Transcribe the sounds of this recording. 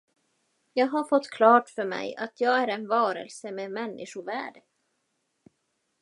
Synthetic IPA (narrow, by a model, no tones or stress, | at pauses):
jɑːɡɦaɾfɔt̪ːkʰlɑːʈfœɾmɛ̰ja̰t̪ʰjɑːɡæɾɛnvɑːɾə̰lsəmeːmɛnːʔɪʂʊvæ̰ːɖə